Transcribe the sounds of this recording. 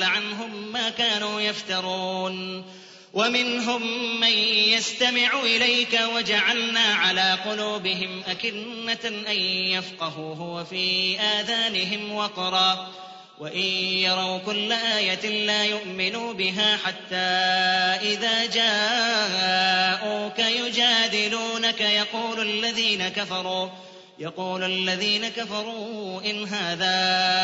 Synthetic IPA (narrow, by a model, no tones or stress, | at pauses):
ʕanɦʊmːaːkaːnuːjaft̪ɑɾˤuːn | wamɪnɦʊmːanjast̪amɪʕuʔɪlajkawad͡ʒaʕalnaːʕalaːqʊluːbɪɦɪmʔakɪːaʔanjafqɑɦuːɦʊwafiːʔaːðaːnɪɦɪmwɑqɾˤɑː | waʔɪnjɑɾˤɑwkʊlːaʔaːjat̪ɪlaːjʊʔmɪnuːbɪɦaːħat̪ːaːʔɪðaːd͡ʒaː | ʔuːkajʊd͡ʒaːd̪ɪluːnakajɑquːlalːaðiːnakafɑɾˤuː | jɑquːlalːaðiːnakafɑɾˤuːʔɪnɦaːðaː